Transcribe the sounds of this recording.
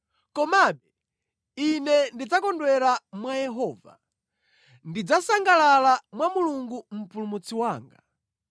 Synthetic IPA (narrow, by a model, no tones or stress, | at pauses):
kɔmaɓɛ | inɛndid͡zakɔndwɛɾamwajɛɦɔːva̰ | ndid͡zasaŋɡalalamwamuluŋɡum̩pulumut͡siwaːŋɡa